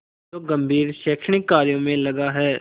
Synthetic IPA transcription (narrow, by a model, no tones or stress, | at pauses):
t̪oɡɐ̃mbʱiːɾʃeːkʃəɳɪkːaːɾijõmẽlɐɡaɦɛː